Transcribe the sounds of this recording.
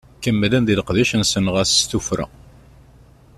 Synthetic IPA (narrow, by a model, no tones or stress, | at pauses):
kəmːəlænd̪iləqðæʃənsənʁəsst̪ufɾa̰